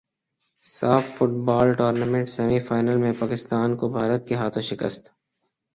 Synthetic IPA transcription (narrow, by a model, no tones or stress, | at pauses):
saːfːʊʈbaːlʈoːɾnamẽɳʈsɛmifaːɪnəlmẽpaːkɪst̪aːnkobʱaːɾət̪̚keɦaːt̪ʰõʃɪkə̰st̪